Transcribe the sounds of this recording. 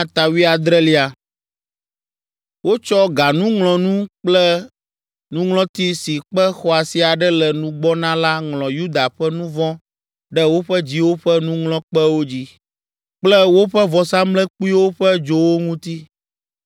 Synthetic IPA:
ã˦t̪a˨wi˦a˨d̪ɾɛ˦li˦a˨ | wo˦t͡ʃɔ˦ɡa˨nũ˦ŋlɔ̃˨nũ˦k͡plɛ˦ | nũ˦ŋlɔ̃˦t̪i˦si˨k͡pɛ˦xɔ˨a˨si˨a˨ɖɛ˦lɛ˨nũ˦ɡ͡bɔ˦nã˦la˦ŋlɔ̃˨ju˦d̪a˨ɸɛ˦nũ˦vɔ̃˦ | ɖɛ˦wo˦ɸɛ˦d͡ʑi˦wo˦ɸɛ˦nũ˦ŋlɔ̃˦k͡pɛ˦wo˦d͡ʑi˦ | k͡plɛ˦wo˦ɸɛ˦vɔ˨sa˦mlɛ˦k͡pu˦i˦wo˦ɸɛ˦d͡ʒo˨wo˦ŋũ˦t̪i˦

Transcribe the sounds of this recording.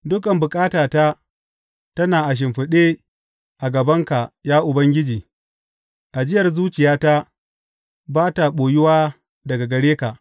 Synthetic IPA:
dʊ˦kʼɐ˨mbʊ˨kʼaː˦taː˨ta˦ | tɐ˦naː˨ʔa˨ʃ̬ɪ˨mɸɪ˨ɗeː˦ | ʔa˨ɡɐ˨bɐ˦ŋka˨jaː˦ʔʊ˨bɐ˦ŋɡʲɪ˦d͡ʒiː˨ | ʔa˨d͡ʒɪ˦jɐ˨rzuː˦t͡ʃɪ˨jaː˦ta˦ | baː˦ta˨ɓoː˨jɪ˦waː˦ | dɐ˨ɡa˨ɡɐ˨ɽeː˦ka˨ʔ

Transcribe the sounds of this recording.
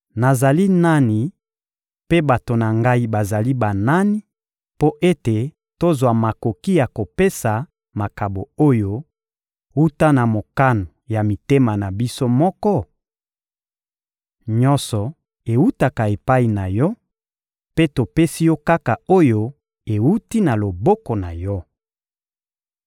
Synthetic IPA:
na˨za˨li˦na˦ni˨ | pe˦ba˨to˨na˨ŋɡa˦i˦ba˨za˨li˦ba˨na˦ni˦ | po˦ʔe˦te˨ | to˦zwa˨ma˨ko˨ki˦ja˨ko˨pe˦sa˨ | ma˨ka˨bo˨o˦jo˦ | wu˦ta˦na˨mo˨ka˦no˨ja˨mi˨te˦ma˨na˨bi˦so˦mɔ˦kɔ˦ | ɲɔ˦nsɔ˨ | e˨wu˦ta˨ka˨e˨pa˦i˨na˨jɔ˦ | pe˦to˨pe˦si˦jɔ˦ka˦ka˨o˦jo˦ | e˨wu˦ti˦na˨lo˨bɔ˦kɔ˨na˨jɔ˦

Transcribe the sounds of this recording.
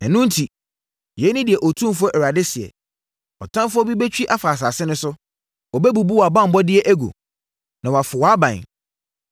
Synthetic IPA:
ɛ˨nʊ̃˦n̩˦tʰi˨ | jɛ˨˦nɪ̃˦dɪ˨ɛ˨ʔɔ˨tʰũ˦m˦fʊ˦ɔ˦ʔɛ˨ɾa˨dɪ˦sɪ˨ɛ̰˨ | ɔ˨tʰã˦m˦fʊ˦ɔ˦bi˦be˦t͡ɕᶣi˦ʔa˦fa˨s̬a˨sɪ˦nʊ̃˦sʊ˦ | ɔ˨bɛ˦bu˨bu˦wa˨bã˦m̩˨˦bɔ˦dɪ˦ɛ˦ʔæ˦ɡo̰˨ | nã˨wa˨fʊ˨wɔ˨a˦bã˨n

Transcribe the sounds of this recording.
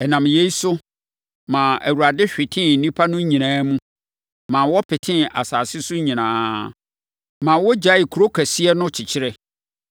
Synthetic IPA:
ɛ˨nã˨mje˦i˦sʊ˦ | mã˨æ̰˨wu˨ɾa˨dɪ˦ɕᶣɪ˨tʰɪ̃˦n̩˨nĩ˦pʰa˦nʊ̃˦ɲĩ˨nãː˦mũ˦ | mã˨wɔ˦pʰɪ˨tʰɪ̃˦a˨saː˨sɪ˦sʊ˦ɲĩ˨nãː˨˦ | mã˨wɔ˦d͡ʑa˨˦ɪ˨kʰu˨ɾo˦kʰæ˨sɪ˦ɛ˦nʊ̃˦t͡ɕʰɪ˨t͡ɕʰɪ˦ɾɛ˦

